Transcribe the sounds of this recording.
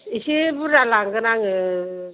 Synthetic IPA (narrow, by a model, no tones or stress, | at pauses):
isebuɾalaŋɡɯnaŋɯ